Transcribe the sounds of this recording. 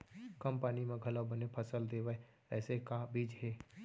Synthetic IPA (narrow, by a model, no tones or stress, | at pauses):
kəmpaːnimẽɡʱələwbənepʰəsəld̪eːʋəe | ɛːsekabʱiːd͡ʒɦeː